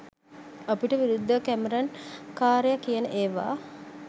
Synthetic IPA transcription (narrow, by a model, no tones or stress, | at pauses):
apiʈəʋiɾud̪ʱːəkæməɾankaːɾəjakijənəʔeːʋa̰ː